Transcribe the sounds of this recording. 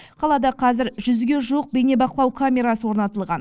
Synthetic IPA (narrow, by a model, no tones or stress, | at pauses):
qʰɑlˠɑd̪ɑqʰɑzɪɾʒʏzɡʲe̞ʒuwəq̚bejne̞bɑqəlˠɑwkʰamʲe̞ɾasəwo̞ɾnɑt̪əlˠʁɑn